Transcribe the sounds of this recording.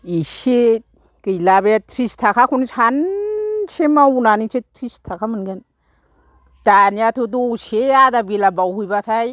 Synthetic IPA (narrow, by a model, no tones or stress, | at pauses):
ise | kɯjlabetʰɾistʰakʰakʰunsan | semawunanit͡ʃetʰɾistʰakʰamɯnɡɯn | d̥anijatʰudoseadabilabawhujbatʰaj